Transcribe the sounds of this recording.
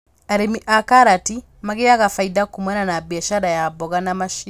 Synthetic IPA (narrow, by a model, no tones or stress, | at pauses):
aɾemiʔakaɾati | maɣeaɣafaidakumɛnanabiaʃaɾajabɔɣanamaʃi